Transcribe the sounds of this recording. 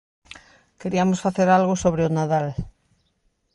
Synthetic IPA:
keɾiamosfaθeɾalɣosoβɾeonaðal

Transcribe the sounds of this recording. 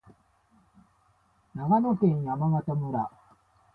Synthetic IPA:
naɡanokẽɰ̃jamamat̪amɯ̟ɾa

